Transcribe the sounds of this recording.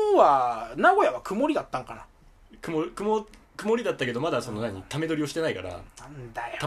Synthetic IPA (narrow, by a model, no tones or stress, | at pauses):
oβanaɡo̞jaβakɯ̟mo̞ɾʲid̪at̪ːãŋkana̰ | kɯ̟mokɯ̟mo | kɯ̟mo̞ɾʲid̪at̪ːake̞d̪o̞mad̪aso̞no̞naɲ̟it̪ame̞d̪o̞ɾʲio̞ɕi̥t̪e̞naika̰ɾa̰nand̪ajot̪a